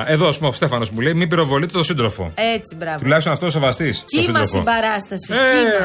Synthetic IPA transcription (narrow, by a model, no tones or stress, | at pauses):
e̞ðoɐspumost̪efɐno̞zmuleimimbiɾo̞vo̞lit̪et̪osind̪ɾo̞fo̞̰et͡sibɾɐt̪ulɐçst̪onɐft̪oos̬evɐst̪isiosiɾosfobɐɾɐst̪ɐsie